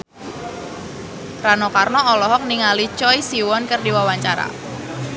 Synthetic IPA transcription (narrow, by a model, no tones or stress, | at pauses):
ranɔkarnɔɔlɔɦɔk̚niŋalit͡ʃɔjsiwɔnkərdiwawaɲt͡ʃaɾa̰